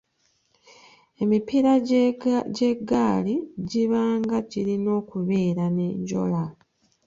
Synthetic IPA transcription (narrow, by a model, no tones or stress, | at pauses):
e̞mipiɾa | ɟeɡaːliɟiβaːŋɡaɟiɾino̞ːkuβe̞ːɾane̞ɲɟo̞̰la